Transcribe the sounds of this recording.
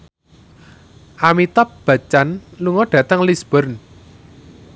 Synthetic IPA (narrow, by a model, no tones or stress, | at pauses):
ʔamit̪ap̚b̥a̤t͡ʃanluŋɔɖ̥a̤t̪əŋlisb̥ɔrn